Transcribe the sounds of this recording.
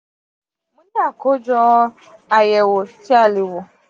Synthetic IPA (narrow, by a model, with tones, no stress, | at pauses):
me˦la˨ko˦d͡ʒɔ˦ | a˨je˨wʊ˨t͡ʃi˦a˦˨lɪ˨wʊ˨